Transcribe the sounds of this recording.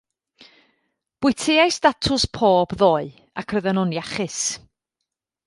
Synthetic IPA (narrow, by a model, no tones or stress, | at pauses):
b̥wʊɨtʰɪajsd̥atʰʊspʰoːbðoːɨ | akʰrəðənɔnjaχɪs